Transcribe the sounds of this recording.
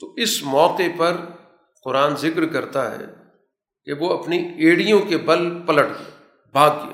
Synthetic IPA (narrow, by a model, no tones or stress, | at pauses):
t̪oʔɪsmɔːqepɐɾ | qʊɾaːnzɪkɾkɐɾt̪aɦɛ̰ː | keʋoɐpnieːɽijõkebɐlpɐləʈɡ | baːd̪̚ɡia̰